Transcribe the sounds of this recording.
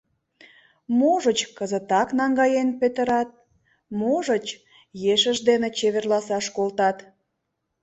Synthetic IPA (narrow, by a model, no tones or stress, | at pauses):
moʒət͡ɕkəzət̪ɑknɑŋɡɑjenpet̪ə̆ɾɑt̪̚ | moʒət͡ɕ | jeʃəʒd̪enet͡ɕeβerlɑsɑʃkolt̪ɑt̪